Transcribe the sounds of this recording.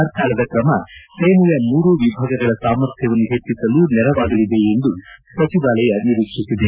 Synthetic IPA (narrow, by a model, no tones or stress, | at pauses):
ɐɾkʰaːlɐd̪ɐkɾɐmɐseːmujɐmuːɾuʋibʱaːɡɐɡɐɭɐsaːmɐɾt̪ʰjɐʋɐnːuɦet͡ʃːisɐluːnɛɾɐʋaːɡɐlid̪e̞end̪usɐt͡ʃiʋaːlɛjɐniɾikʂisːid̪e